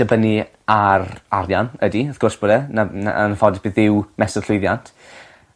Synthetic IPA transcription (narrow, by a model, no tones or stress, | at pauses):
d̥əbəni | ararjanədiəθɡ̥ʊrsb̥oːdɛnana̰ʔə̰nfɔdɪb̥iðɪwmɛsə̥ɬʊɨðjantʰ